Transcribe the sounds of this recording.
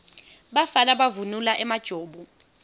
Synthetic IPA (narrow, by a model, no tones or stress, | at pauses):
ɓafalaɓavunulaʔɛmad̥ʒ̥ʱoːɓɔ